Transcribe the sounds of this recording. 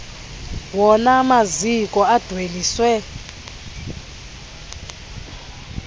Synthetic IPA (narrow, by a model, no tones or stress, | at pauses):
wɔnamazikʼɔad̥ʱweliːswɛ